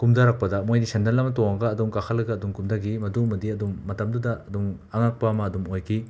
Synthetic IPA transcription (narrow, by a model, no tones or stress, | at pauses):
kumdaɾak̚pɐdɐmojnisendɐnlɐmɐtoaŋɡɐːdumkakʰɐlːɐɡɐːdumkumdaɡimɐdumɐdiɐdumːɐtɐmdudɐɐdum | aŋak̚pamɐːdumojkʰi